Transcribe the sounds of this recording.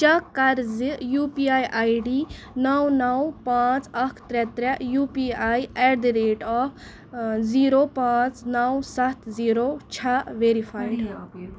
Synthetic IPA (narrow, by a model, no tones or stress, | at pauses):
t͡ʃɐkːɐɾzijuːpiajʔajɖiː | nɐwnɐwpãːt͡sɐkʰt̪ɾɛt̪ɾejuːpiajeɾd̪iɾeːʈɔːpʰ | ziːɾoːpãːt͡snɐwsat̪ʰziːɾot͡ʃʰaʋeːɾipʰaːjɖ